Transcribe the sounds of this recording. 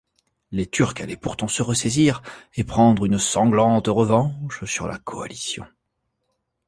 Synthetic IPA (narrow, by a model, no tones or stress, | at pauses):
let̪yʁkalɛpuʁt̪ɑ̃səʁəseziʁepχɑ̃d̪ʁynsɑ̃ɡlɑ̃t̪ʁəvɑ̃ʃsyʁla̰kʰɔa̰lisjɔ̰̃